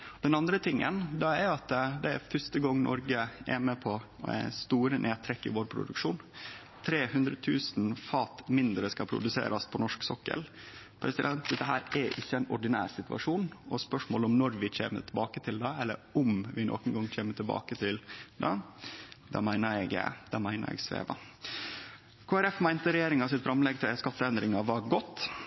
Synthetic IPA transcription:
d̪ɛnɑnd̪ɾət̪ʰɪŋːə̰nd̪ɑæɾʊɑt̪d̪ɛæɾfœʂt̪əɡɔŋːnʔɔ̰ɾɡəɛ̰məpʰɔ | æ̰st̪uːɾənʔeːt̪ʰɾɛkːɪ̰ʋoːɾpʰɾʊ̰d̪ʉkʂuːn | t̪ʰɾeːhʉnd̪ɾət̪ʰʉːsn̩fɑːt̪mɪnd̪ɾəskɑpʰɾʊ̰d̪ʉsḛːɾʔɑspʰɔnɔʂksɔkːə̰l | pʰɾɛsɪd̪ɛnt̪d̪ɛt̪ːəɦæːɾæɾʔɪçːəænɔɖɪnæ̰ːɾsɪt̪ʉʋɑ̰ʂuːnʔɔspœʂmoːlɔmnɔɾʋɪt͡ɕḛːmə̰t̪ʰɪlbɑːkət̪ʰɪld̪ɑɛlːə̰ɾʊmʋɪnʔo̰ːkən̩ɡɑŋt͡ɕʰeːmət̪ʰɪlbɑ̰ːkət̪ʰɪld̪ɑ | d̪ɑ̰ːmæɪnəɾɛɡə̰d̪ɑːmæɪnə̰ɾɛ̰ɡsʋḛːʋɑ̰ | kʰoːæɾɛfmæɪnt̪əɾɛjeːɾɪŋɑsɪt̪fɾɑmlɛɡt̪ʰɪskɑt̪ːəɛnd̪ɾɪŋɑʋɑɡɔt̪ː

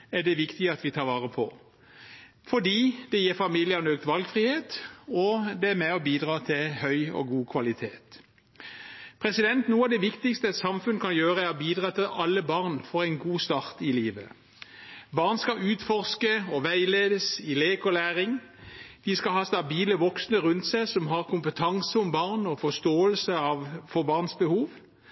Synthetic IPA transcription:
æɖɛʋɪkt̪ɪəɑt̪ʋɪt̪ʰɑːʁʋɑːʁəpʰɔ | fɔd̪iːd̪̥ɛjeːʁfɑmiːljənøːk̚t̪ʋɑlɡfʁiːheːt̪ɔd̪ɛæmɛɔbiːd̪ʁɑːt̪ʰɪlhœʏɔ̰ɡuːkʰʋɑlɪt̪ʰeːt̪ | pʰʁɛsɪd̪ɛnt̪nuːəɑʋd̪ɛʋɪkt̪ɪkst̪əɛt̪sɑmfʉnkʰɑnjøːʁəæɾɔbiːd̪ʁɑːt̪ʰɪlʔɑlːəbɑʁnfɔʁæɪnɡuːst̪ɑːʁt̪ɪliːʋə̰ | bɑːʁnskɑʔʉːt̪fɔʁskəɔʋæɪleːd̪əsɪleːkɔlæːʁɪŋ | d̪̥ɪskɑhɑːsd̪ɑbiːləʋɔksnəʁʉnt̪sæɪsɔmɦɑʁkʊmpət̪ʰɑŋsəɔmbɑʁnɔfɔst̪oːəlsəɑʋfɔbɑːʁnsbəhuːʋ

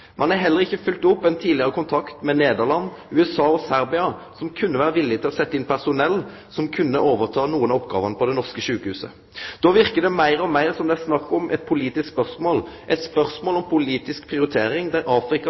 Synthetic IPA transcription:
mʔɑnæɦɛlːəʁɪçːəfʉlt̪ʊpːɛnt̪ʰiːd̪lɪəʁəkʊnt̪ʰɑkt̪mɛneːd̪əʁlɑnːʉɛsɑːɔsæɾbɪɑsɔmkʰʉnːəʋæːʁəʋɪlːɪt̪ʰɪlɔsɛt̪ːəɪnpʰæʁsʊnɛlː | sɔmkʰʉnːəʔoːʋəʁt̪ʰɑːnuːənɑɔp̚ːɡɑ̰ːʋɑnəpʰɔd̪ɛnɔʁskəʃʉːkəhʉːsə̰ | d̪̥oːʋɪʁkəd̪ɛmæɪɾɔmæɪʁsɔmd̪ɛæsnɑkːɔmʔɛ̰t̪̚pʰʊliːt̪ɪskspœʁsmoːlʔɛt̪spœʁsmoːlɔmpʰʊliːt̪ɪsk̚pʰʁɪʊɾɪt̪ʰeːɾɪŋd̪æɾɑːfɾɪkɑ

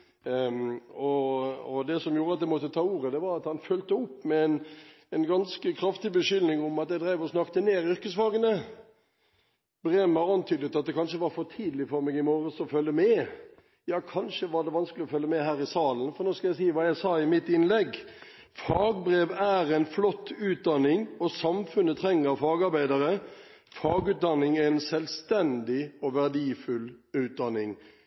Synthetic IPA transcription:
ɔɔd̪ɛsɔmjuːɾəɑt̪̚d̪ɛmɔt̪ːət̪ʰɑːuːɾəd̪ɛʋɑɾɑt̪hɑnfœlt̪əʊpːmɛɛn | ɛnɡɑnskəkʰɾɑft̪ɪbəʃʏlnɪŋʊmɑt̪jæɪd̪ɾæɪʋɔsnɑkt̪əneːɾʏɾkəsfɑːɡənə | bɾeːmɑɾɑnt̪ʰyːd̪ət̪ɑt̪̚d̪ɛkʰɑnʂəʋɑɾfɔt̪ʰiːd̪lɪfɔɾmɛːɡɪmoːɾəsɔfœlːəmɛ | jɑːkʰɑnʃəʋɑd̪ɛʋɑnskəlɪɔfœlːəmɛɦæːɾɪsɑːlənfɔɾnoːskɑljæɪsiːəʋɑːjæɪsɑːɪmɪt̪ːɪnlɛɡ | fɑːɡbɾeːʋæɾæɪnflɔt̪ːʉːt̪̚d̪ɑnːɪŋɔsɑmfʉnət̪ʰɾɛŋːəɾɑfɑːɡɑɾbæɪd̪əɾə | fɑːɡʉːt̪̚d̪ɑnːɪŋæɛnsɛlst̪ɛnd̪ɪɔʋæʁd̪iːfʉlʉːt̪̚d̪ɑnːɪŋ

